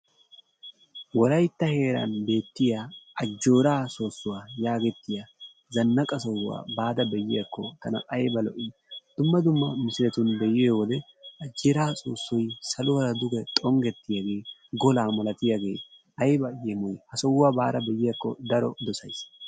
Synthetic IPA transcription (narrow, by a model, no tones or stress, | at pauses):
wɔlɐjt̪ːɐhe̞ːɾɐ̰nbe̞ːt̪ːɪjaːʔɐd͡ʒːo̞ːɾaːso̞ːsːʊwaːjaːɡɛt̪ːɪja | zɐnːɐkʼɐsɔwa̰ːbaːd̪ɐbɛjɪjɐkːɔt̪ɐnɐ̰ʔɐjbɐlɔʔɪd̪̥ʊmːɐd̪ʊmːɐmɪsɪlɛt̪ʊnbɛjeːwɔlɛ | ɐd͡ʒːeɾaːsʼoːsːɔjsɐlʊwɐɾɐd̪ʊɡɛt̪ʼɔŋɡɛt̪ːɪjaɡe̞ːɡɔlaːmɐlɐt̪ɪjaɡe̞ː | ʔɐjbɐjɛmɔjhɐsɔwːaːbaːd̪ɐbɛjɪjɐkːɔ̰d̪ɐɾɔ̰d̪ɔsɐjs